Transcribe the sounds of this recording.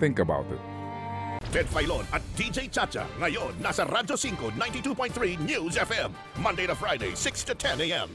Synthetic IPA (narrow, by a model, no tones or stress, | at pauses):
θɪ̃ŋkəba̰ʊtɪ̰t̚ | tʰɛdfaɪlonat̚d̥id͡ʒeɪt͡ʃʰat͡ʃa̰ŋajonːasaɾad͡ʒosɪ̃ŋkonãɪ̃ntituːpʰɔ̃ɪ̃nθɹinjuzɛfɛ̃mː | ʌ̃ndeɪɾəfɹaɪɾeɪsɪkstʰɨtʰɛ̃neɪɛ̰̃m